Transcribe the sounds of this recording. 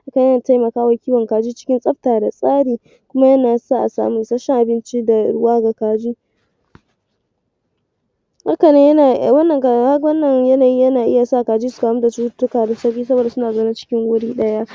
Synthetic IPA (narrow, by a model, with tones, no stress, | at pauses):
ha˦ka˨e˦na˨ta˦jmɐ˨kaː˦wɐ˨kʲiː˦wɐ˨ŋkaː˨d͡ʒiː˦t͡ʃɪ̥˦kʲɪ˦nsʼɐ˦ɸ̚taː˨da˨sʼaː˦ɽiː˨ | kʷʊ˦ma˦jɐ˦naː˨saː˦ʔa˨sa̰ː˨mu˦ŋʔɪ˨sɐ˦ʃɛ˦ŋʔa˨bɪ˦nt͡ʃi˦da˨ɽʊ˦waː˦ɡa˨kaː˨d͡ʒiː˦ | ha˦kɐ˨ne˦a˨wɐ˦nːɐ˨ka˦wɐ˦nːɐ˨ŋjɐ˦naː˨ji˦jɐ˦naː˨ʔɪ˦ja˨sa˦ʔa˨kaː˨d͡ʒiː˦sʊ̥˨kaː˨mu˦da˨t͡ʃuː˦tʊ˦kaː˨da˨sɐ˦kʲiː˦sɐ˦boː˨da˨sʊ˦naː˨zo˦na˦t͡ʃɪ̥˦kʲɪ˦ŋwʊ˦ɽiː˦ɗɐ˦ja˦ʔ